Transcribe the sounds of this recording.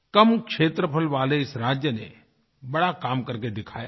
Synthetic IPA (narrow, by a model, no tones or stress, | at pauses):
kɐmkʃeːt̪ɾəpʰəlʋaːleɪsɾaːd͡ʒjənḛ | bɐɽakaːmkɐɾked̪ɪkʰa̰ːja̰ː